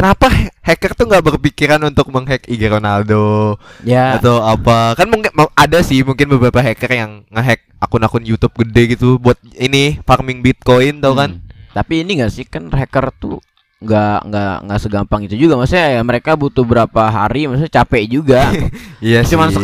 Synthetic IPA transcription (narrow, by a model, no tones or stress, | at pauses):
kənapahɛkərt̪uŋɡaʔbərpikiɾanunt̪ʊk̚məŋɦɛkiɡəɾonadojaat̪oapakanmuŋkadasɪhmuŋkɪnbəbəɾapaɦekərjaŋːəɦɛk̚akʊnakʊnjut̪ʊp̚ɡədɛɡit̪ubuat̪̚inɪfarmɪŋbit̪̚koɪnt̪awkant̪apiːniŋɡaʔsɪhkanɦekərt̪ṵ | ŋɡaŋɡaʔŋɡaʔsəɡampaŋit̪ud͡ʒuɡamasuɲaməɾekabut̪ubəɾapaɦaɾimasuɲt͡ʃapɛd͡ʒuɡaijast͡ʃuman